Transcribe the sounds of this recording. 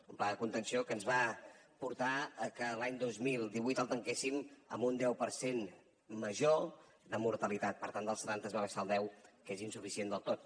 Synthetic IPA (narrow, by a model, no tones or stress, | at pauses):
umplaðəkunt̪ənsiokənzβapuɾt̪aəkəlaɲd̪ozmilˠd̪iβujt̪əlˠt̪əŋkesimə̰mbund̪ɛwpəɾsen | məʒo | d̪əmuɾt̪əlit̪at̪̚pəɾt̪and̪əlˠsət̪ant̪əzβaβəʃaəlˠd̪ɛwkezinsufisiend̪əlˠt̪ot̪̚